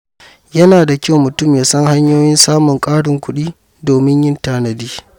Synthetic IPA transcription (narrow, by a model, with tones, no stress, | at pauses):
jɐ˦naː˨da˨kʲa˦wmʊ˨tʊ˦mjaː˨sɐ˦ŋha˦ɲjoː˦jɪ˦nsaː˦mʊ˨ŋkʼaː˦ɽʊ˨ŋkʷʊ˦ɗiː˦ | doː˨mɪ˦ɲjɪ˦ntaː˦nɐ˨diː˦